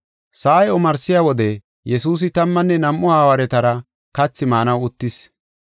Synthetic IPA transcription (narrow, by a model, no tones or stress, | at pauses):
saːjɔmɐɾsɪjaːwɔd̪ɛ | jɛsuːs̬ɪt̪ɐmːɐnːɛnɐmʔːʊhaːwɐɾɛt̪ɐɾɐ | kɐt͡sːɪmaːnɐwʊt̪ːɪs